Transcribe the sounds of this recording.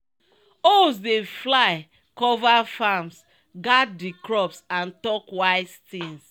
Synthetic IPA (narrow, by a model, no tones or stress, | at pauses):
osdeflaɪ | kɔvafams | ɡat̚dikɹɔpsãntɔkwaɪst̪ĩŋs